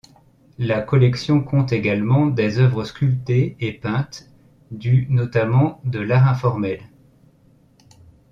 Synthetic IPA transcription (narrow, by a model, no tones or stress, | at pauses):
lakɔlɛksjɔ̃kʰɔ̃t̪eɡalmɑ̃d̪ezœvʁəskʲylt̪eːpɛ̃t̪ | d̪ynɔt̪amɑ̃d̪əlaʁɛ̃fɔʁmɛl